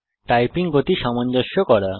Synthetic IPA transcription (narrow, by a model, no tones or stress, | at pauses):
ʈajpiŋɡot̪iʃamond͡ʑoʃokɔɾa